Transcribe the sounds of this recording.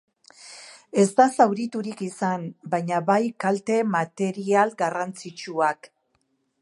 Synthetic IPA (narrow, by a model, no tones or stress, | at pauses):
e̞zt̪asawɾit̪uɾikisambajɲaβajkalt̪e̞mat̪e̞ɾialɡarant͡sit͡ʃuak